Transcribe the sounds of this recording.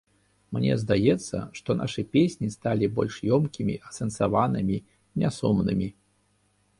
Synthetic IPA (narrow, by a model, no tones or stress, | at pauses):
mnʲɛ̰zd̪ajɛt̪sːɐ̰ʂt̪ɔnʔa̰ʂɨpʲesʲnʲist̪alʲibɔ̰lʲʂjɔmkʲimʲḭʔɐsɛnsavanɨmʲi | nʲɛsumnɨ̰mʲi